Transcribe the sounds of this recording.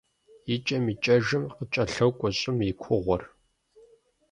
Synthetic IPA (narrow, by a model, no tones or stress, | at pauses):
jit͡ʃʼɐmiːt͡ʃʼɐʒɨmqət͡ʃʼɐɬɐwkʷʼɔɕʼɪmikʷʰʊʁʷɔr